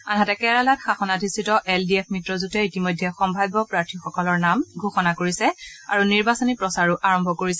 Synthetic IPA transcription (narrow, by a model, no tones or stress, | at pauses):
anɦatɛkɛɹalatxaxɔnadʱistːitɔʔɛldiɛpʰmitɹɔzutɛitimɔjdʱːɛxɔmbʱajbɔpɹaɹtʰixɔkɔlɔɹnamɡʱoxɔnakoɹisɛaɹuniɹbasɔnipɹɔsaɹuʔaɹɔmbʱɔkoɹisɛ